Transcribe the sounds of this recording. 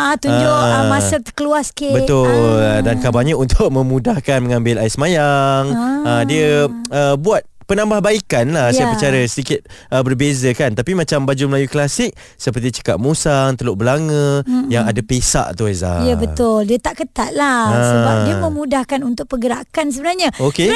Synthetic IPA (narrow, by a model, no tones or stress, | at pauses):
at̪uɲəd͡ʒoʔamasət̪əkəluasə̥kɪbət̪ʊllldankabaɲəunt̪ʊk̚mə̃mudahkanməŋãmbɪlaɪsəmajaŋədiəəbuat̪̚ | pənambahbaikanlahət͡ʃaɾəsədikɪt̪̚ʔəbərbezəkant̪apimãt͡ʃambad͡ʒuməlajuklasɪk̚ | səpərt̪it͡ʃə̥ka̰ʔ̪̚musaŋt̪əloʔbəlaŋə̃jaŋadəpesa̰ʔt̪uhɛza̰jabət̪ʊldiət̪aʔkət̪at̪̚laəsəbapdiəmə̃mudahkanunt̪ʊk̚pəɡəɾakans̬əbənarɲaoke